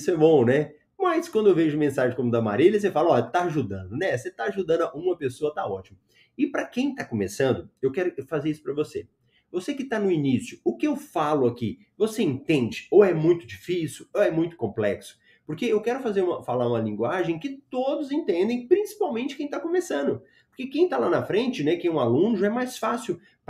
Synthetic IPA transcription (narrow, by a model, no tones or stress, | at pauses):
isʊɛbõw̃nɛ | mɐjskwɐ̃nd̪ʊewveʒʊmẽsaʒẽkõmʊd̪ama̰ɾelɐs̬efalɐɔʎɐt̪aaʒud̪ɐ̰̃nd̪ʊnɛset̪aaʒud̪ɐ̃nd̪aʔũmɐpesoɐt̪aɔt͡ʃimɐ | ɪpɾɐkẽj̃t̪akomesɐ̃nd̪ʊewkɛɾʊfazeɾisʊ̥pɾɐvose | vosekɪt̪anʊinisjʊʊkɪewfalʊaki | voseẽt̪ẽnd͡ʒɪoɛmũj̃t̪ʊd͡ʒifisiwoɛmũj̃t̪ʊ̥kõplɛksʊ̥ | poɾkeewkɛɾʊfazeɾũmɐfalaɾũmɐlĩŋɡwaʒẽj̃kɪt̪od̪ʊzẽt̪ẽnd̪ẽj̃pɾĩsi̥pawmẽnt͡ʃɪkẽj̃t̪akomesɐ̃nd̪ʊ | poɾkekẽj̃t̪alanɐfɾẽnt͡ʃɪnɛkẽj̃ũalũnʊʒaɛmajsfasiw | p